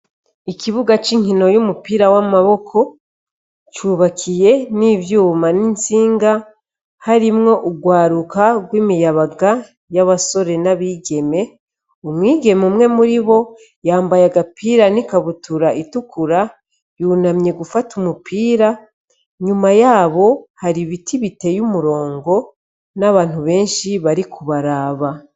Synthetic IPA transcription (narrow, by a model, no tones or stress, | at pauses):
ikiβuɡat͡ʃiŋino̞jumupiːɾawamaβo̞kʰo̞ | t͡ʃuβakʰije̞nivjuːmanint͡siːŋɡa | haɾimŋo̞ʔuɡwaːɾukaɡwiːmijaβaɡa | jaβaso̞ɾe̞naβiːɡe̞me̞ | omwiːɡe̞mumŋe̞muɾiβo̞ | jaːmbajaɡapʰiːɾanikaβutuɾaʔitukʰuɾa | junamɲe̞ɡufatumupiːɾa | ɲumajaːβo̞haɾiβitʰiβite̞jumuɾo̞ːŋɡo̞ | naβaːn̥uβe̞ːnʃiβaɾikʰuβaɾaːβa